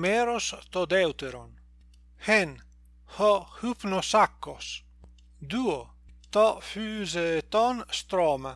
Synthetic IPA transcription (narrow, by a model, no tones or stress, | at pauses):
mɛɾost̪od̪ɛwt̪eɾo̰n | hɛn | hɔhupnosakːos | d̪uo | t̪ɔfyːzet̪ɔnst̪ɾɔːma